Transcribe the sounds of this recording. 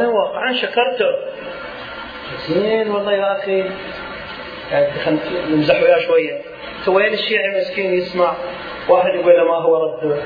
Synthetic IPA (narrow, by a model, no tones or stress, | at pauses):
anawɑːqːʕanʃakɑɾˤt̪ʊ | d͡ʒaziːnwɑlˤːɑːjaʔaxi | jaxanjɪmzaħwjaːʃwajːa | t̪aweːnɪʃːiːʕimɪskiːnjɪsmaʕ | waːħɪd̪jɪɡullamaɦʊwːaɾˤɑd̪ːʊ